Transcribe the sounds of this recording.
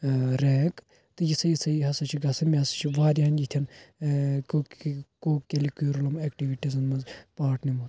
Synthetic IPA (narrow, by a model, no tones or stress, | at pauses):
ɾeːk | t̪ɨjisɐjisɐjɦɐsɐt͡ʃʰiɡɐsɐnmʲiɐsɐ̥t͡ʃʰiʋaːɾʲaːnjit̪ʰɐn | koːkelikuɾulɐmekʈiʋiʈizɐnmɐzpaːʈʰnimɐt̪